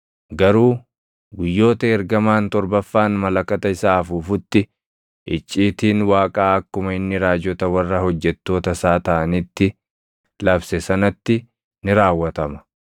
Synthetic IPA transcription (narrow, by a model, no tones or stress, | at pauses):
ɡɐɾuː | ɡʊjːo̞ːt̪ɐɛɾɡɐmaːnt̪ɔɾbɐfːaːnmɐlɐkɐt̪ɐɪsaːfuːfʊt̪ːɪ | ʔɪt͡ʃʼːiːt̪iːnwaːkʼaːɐkːʊmɐɪnːɪɾaːd͡ʒɔt̪ɐwɐrːɐhɔd͡ʒːɛt̪ːo̞ːt̪ɐsaːt̪ɐʔɐnit̪ːɪ | lɐbsɛsɐnɐt̪ːɪ | nɪɾaːwːɐt̪ɐmɐ̥